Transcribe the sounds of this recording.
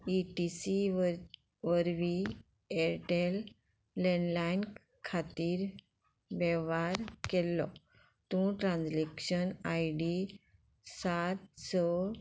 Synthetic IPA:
iʈisi | ʋəɾʋi | eɾʈelː | enlain | kʰat̪iːɾ | ʋɛʋaɾkelːɔ | t̪ũʈɾãnd͡zlekɕənajɖi | sat̪sə

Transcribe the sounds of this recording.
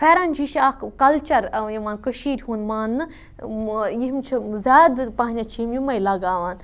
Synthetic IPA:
fʰeːɾanʲd͡ʒʰiʃakkɐlt͡ʃɐɾjimaːnkəʃiːɾʲhunmaːnːɨ | jiɦmt͡ʃʰizʲaːd̪paːnʲat͡ʃʰimjumɐjlɐɡaːʋaːn

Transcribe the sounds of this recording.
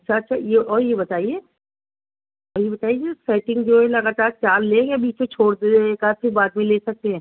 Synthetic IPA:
ɐtːʃʰaɐtːʃʰajeɔːɾjebɐt̪aːieː | ɔːɾjebɐt̪aːiesɛːʈɪ̃ŋɡd͡ʒoːɦɛlɐɡaːt̪aːɾt͡ʃaːlleːjabiːt͡ʃket͡ʃʰoːɽd̪ekaːfʰibaːt̪mẽleːsɐk̚t̪eɦɛ̃ː

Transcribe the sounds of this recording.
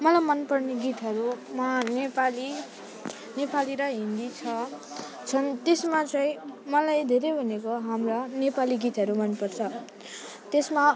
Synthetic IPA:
mʌlajmʌnpʌrneɡit̪ɦʌɾumanepali | nepaliɾʌɦind̪it͡sʰʌ | t͡sʰʌnt̪esmat͡sʌĩmʌlajd̪ʱeɾejbʱʌnekoɦamrʌnepaliɡit̪ɦʌɾumʌnpʌrt͡sʰʌ | t̪esma

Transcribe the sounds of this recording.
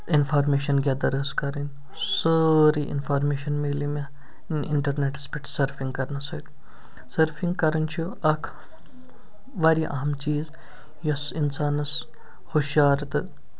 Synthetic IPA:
infʰaːɾmeːʃɐnɡʲaːd̪ɐɾəskɐɾɐn | səɾiʔḭnfʰaːɾmeːʃɐnmiːlimɐ | nɪɳʈɐɾneːʈspʲiʈsɐɾfʰĩŋɡkɐɾnɐsɐːt̪ | sɐɾfʰiŋɡkɐɾɐnt͡ʃʰu | ɐkʰ | ʋɐɾiʔɐ̰ɦɐmt͡ʃiːz | jɐsinsaːnɐs | xuʃjaːɾt̪ɨ

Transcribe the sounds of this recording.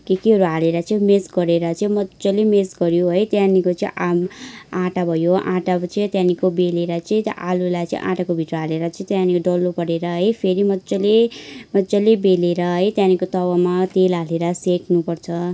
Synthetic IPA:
kikiɦʌɾuɦaleɾʌt͡sʌĩmesɡʌɾeɾʌt͡sʌĩmʌt͡sʌlemesɡʌɾjoɦʌjt̪janikot͡sʌĩʔamãʈabʱʌjoʔã̰ʈat͡st̪janikobeleɾʌt͡sʌĩt̪ʔalulajt͡sʌ̰ḭ̃ʔã̰ʈakobʱiʈrʌɦaleɾʌt͡sʌ̃ĩt̪janikoɖʌlːopʌɽeɾʌɦʌjpʰeɾimʌt͡sʌlemʌd͡zʌlebeleɾʌɦʌjt̪janikot̪ʌwʌmat̪elaleɾʌseknupʌrt͡sʰʌ

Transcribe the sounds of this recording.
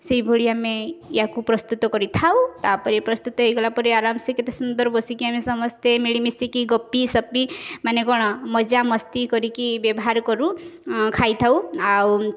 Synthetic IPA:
seibʱuɭiamejakupɾɔst̪ut̪ɔkɔɾit̪ʰawt̪apɔɾipɾɔst̪ut̪ɔɦejɡɔlapɔɾiaɾamsiket̪esund̪ɔɾbɔsikiamesɔmɔst̪ʰemiɭimisikiɡɔpːisɔpimanekɔɽ̃ɔmɔd͡ʒamɔst̪ikɔɾikibjɔbɔɦaɾkɔɾukʰajt̪ʰawaw

